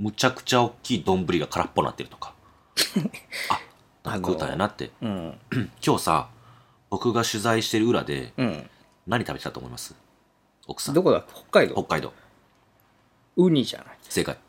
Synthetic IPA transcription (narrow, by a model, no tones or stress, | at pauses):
mɯ̟t͡ɕakɯ̟̥t͡ɕao̞kʲːiːd̪õ̞mbɯ̟ɾʲiɡakʰaɾapːo̞na̰t̪ːe̞ɾɯ̟t̪okḁ | a | nã̰ŋkakɯ̟ːt̪ã̰ja̰nat̪ːe̞̰ɯ̃kʲo̞ːsa̰ | b̥o̞kɯ̟ɡaɕɨzaiɕi̥t̪e̞ɾɯ̟ɯ̟ɾa̰d̪ẽ̞̰ | naɲ̟it̪abetet̪at̪oːmo̰imasɨ̥ | o̞̰kɯ̥sãd̪okod̪aho̥kːaid̪oho̞kːaid̪o̞̰ː | ɯ̟ɲ̟iʑa̰naise̞kai